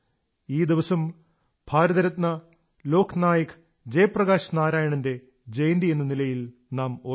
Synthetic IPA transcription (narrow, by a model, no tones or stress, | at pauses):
iːd̪iʋɐsɐm | b̥ʱaːɾɐðɐɾɐt̪nɐ | lo̞ːkʰnaːjɐkʰ | d͡ʑejprɐɣaːɕɐnaːɾaːjɐɳɐnde̞ | d͡ʑejnd̪ie̞nːɐnilɐjil | naːmo